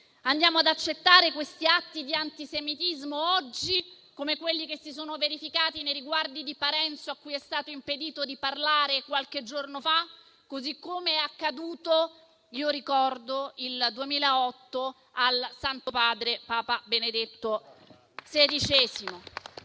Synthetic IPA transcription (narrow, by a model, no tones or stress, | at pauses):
and̪jaːmoad̪at͡ʃːet̪ːaːɾekwest̪iat̪ːid̪iant̪isemit̪izmoɔd͡ʒːi | komekwelːikesːisoːnoveɾifikaːt̪inejɾiɡward̪id̪ipaɾɛnt̪soakːujɛst̪aːt̪oimped̪iːt̪od̪iparlaːɾekwalked͡ʒːornofa | kːozikːomeɛakːad̪uːt̪o | iːoɾikɔrd̪oild̪uemiːlaɔt̪ːo | alsant̪opaːd̪ɾepaːpabened̪et̪ːo | sed̪it͡ʃɛːzimo